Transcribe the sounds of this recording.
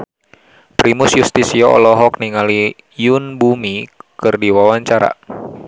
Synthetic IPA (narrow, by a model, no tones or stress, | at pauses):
pɾimʊsjust̪isiɔɔ̰lɔɦɔk̚niŋali | junbumikɨrdiwawaɲt͡ʃaɾa̰